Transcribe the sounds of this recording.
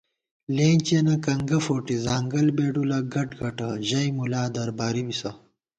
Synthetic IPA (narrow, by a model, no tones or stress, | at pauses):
leːnt͡ɕenɐkɐŋɡɐfoːʈizaːŋɡɐlbeːɖulɐɡɐʈɡɐʈɐʑɐjmulaːd̪ɐɾbaːɾimisɐ